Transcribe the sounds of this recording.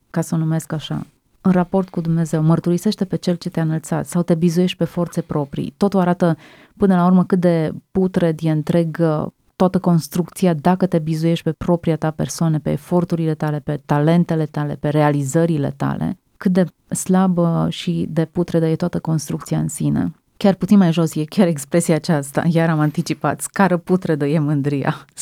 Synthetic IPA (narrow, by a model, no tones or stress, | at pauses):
kasənume̞skaʃa̰ | ɨnrapo̞rt̪̚kud̪umne̞ze̞wmərt̪uɾise̞ʃt̪e̞pe̞t͡ʃe̞lt͡ʃe̞t̪eanəlt̪sa̰t̪sawt̪e̞bizuje̞ʃt̪̚ʲpe̞fo̞rt̪se̞pɾo̞pɾḭt̪o̞t̪uaɾat̪ə | pɨnəlaurməkɨt̪̚d̪e̞put̪ɾe̞d̪ieɨnt̪ɾe̞ɡ | t̪oat̪əko̞nst̪ɾuk̚t̪sijad̪akət̪e̞bizuje̞ʃt̪̚ʲpepɾo̞pɾijat̪ape̞̰rsoanepe̞ːfo̞rt̪uɾile̞t̪ale̞pe̞t̪ale̞nt̪e̞le̞t̪ale̞̰pe̞ɾe̞alizəɾile̞̰t̪a̰le̞̰ | kɨt̪̚d̪e̞ | slabəʃid̪e̞put̪ɾed̪əjet̪oat̪əko̞nst̪ɾuk̚t̪siaɨnsinḛ | kʲarput̪sinmajʒo̞sjekʲaɾekspɾe̞siaːt͡ʃast̪a̰jaɾamant̪it͡ʃipat̪sʲkaɾəput̪ɾed̪əjemɨnd̪ɾija̰